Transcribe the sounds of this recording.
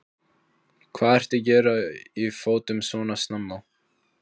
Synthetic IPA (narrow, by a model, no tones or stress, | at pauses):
kʰvaːðɛr̥t̪ɪcɛːɾaifoːwt̪ʏmsvɔːnasnamːaw